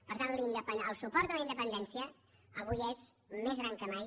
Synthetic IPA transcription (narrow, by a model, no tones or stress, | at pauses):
pəɾt̪and̪lind̪əpənəlˠsupɔɾt̪ələind̪əpənd̪ɛnsiə | əɣuʎɛzmezɣɾaŋkəmaj